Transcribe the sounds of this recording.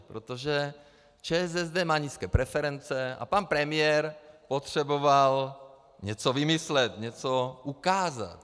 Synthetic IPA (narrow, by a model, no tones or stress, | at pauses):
pɾot̪oʒɛ | t͡ʃɛːɛzɛzd̪ɛːmaːɲiːskɛːpɾɛfɛɾɛnt͡sɛa̰panpɾɛmɪjɛɾpot̪r̝̥ɛboval | ɲɛt͡sovɪmɪslɛt̪ɲɛt͡soʔukaːza̰t̪